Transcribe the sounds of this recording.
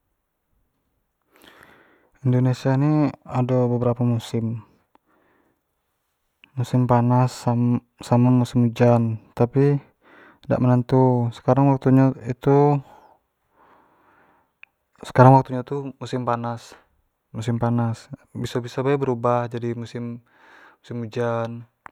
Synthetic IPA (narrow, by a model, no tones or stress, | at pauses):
indonesianiadobəbəɾapamusɪm | usɪmpanasa | samamusimud͡ʒant̪api | da̰ʔmənant̪usə̥kaɾaŋwak̚t̪uɲait̪u | sə̥kaɾaŋwak̚t̪uɲat̪umusɪmpanas | musɪmpanasbisabisabaɛbəɾubahd͡ʒadimusɪmː | usimud͡ʒan